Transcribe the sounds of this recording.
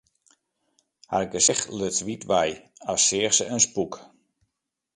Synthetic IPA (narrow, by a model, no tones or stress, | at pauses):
ha̰tɪk̚ɡəsɛxløtʋitʋɛjasɪːrsəənspuk